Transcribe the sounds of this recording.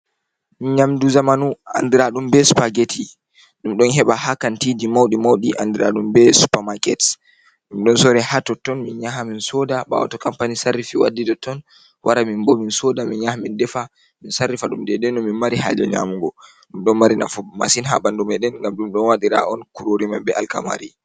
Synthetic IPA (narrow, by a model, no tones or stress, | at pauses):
minɲamduzamanua̰ndiɾaɗumbɛsu̥paɡetʰi | ɗumɗɔnɦɛɓahakantidimawɗimawɗiʔandiɾa̰ɗumbɛsu̥pamakɛt | ɗumɗɔnsɔɾɛhatɔtɔnminɲaɦaminsɔdaɓa̰wa̰tɔkampanisarːifiwa̰dːidɔtɔn | wʔaɾamimbɔminsɔdaminɲahamindɛfa | minsarːifaɗumdɛdɛnːɔminmaɾiɦa̰d͡ʒɛ̰ɲa̰muŋɡɔ | ɗumɗɔnmaɾina̰fɔma̰sinɦa̰ɓandumɛɗɛnŋɡamɗumɗɔnwaɗiɾa̰ɔnkuɾoɾimanbɛʔalka̰ma̰ɾi